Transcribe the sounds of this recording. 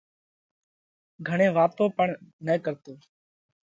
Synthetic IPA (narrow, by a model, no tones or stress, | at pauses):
ɡʱəɳ̃eːʋaːt̪õːpəɳnəːkəɾt̪oː